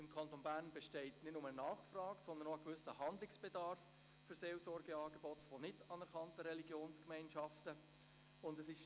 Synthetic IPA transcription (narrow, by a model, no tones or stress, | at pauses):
ɪmkʰɑntonbæːrnbɛʃtɛɪtnɪtnʊmənɑːχfrɑːɡsɔnd̪ənoəkvʏsəhɑndlɪksb̥ɛdɑɾfː | ʏɾseːlsɔɾɡəɑːɡebɔtfonɪtɑnɛɾkʰɑntəɾɛliɡjoːnskmɛɪnʃɑftə | ʊndəsɪʃ